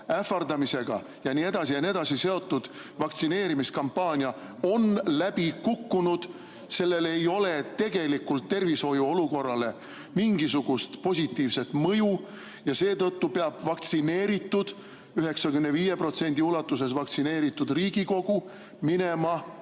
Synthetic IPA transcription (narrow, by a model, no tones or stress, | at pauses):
æfɑrd̪ɑmise̞ɡ̥ɑ̰ | jɑnie̞d̪̥ɑsijɑnie̞d̪̥ɑsise̞o̞t̪ːud̪̥ | vɑkt̪sine̞ːɾimiskɑmpːɑːnʲjɑ | o̞nlæb̥ikukːunud̪̥ | se̞lːe̞le̞jo̞let̪e̞ɡ̥e̞likult̪ːe̞rviso̞juo̞luko̞rːɑle̞ | miŋɡis̬uɡ̥ust̪po̞s̬ʲit̪ːiːvse̞t̪ˑmɤju | jɑse̞ːt̪ɤt̪ːupe̞ɑb̥vɑkt̪sine̞ːɾit̪ˑːud̪̥ | yɦe̞ksɑkymneviːje̞pro̞t̪se̞nʲd̪̥iulɑt̪ːˑuse̞svɑkt̪sine̞ːɾit̪ːˑud̪riːɡ̥iko̞ɡ̥u | mine̞mɑ